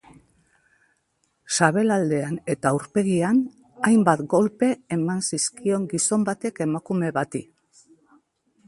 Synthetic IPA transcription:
saβ̞e̞lald̪e̞ane̞t̪auɾpe̞ɣian | ajmbat̪ɡo̞lpe̞ːmansiskio̞ŋɡiso̞mbat̪e̞ke̞makume̞βat̪i

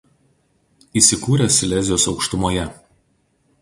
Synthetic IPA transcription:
iːˑsʲɪkuːɾʲɛsʲɪlʲɛzʲɪjoːsɒʊkʃt̪ʊmoːjɛ

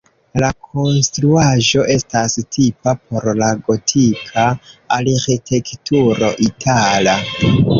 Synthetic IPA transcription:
lakʰo̞nstɾuaʒo̞ʔe̞stastʰipapʰo̞ɾlaɡo̞tʰikʰaːɾxitʰe̞ktuɾo̞ʔitʰala

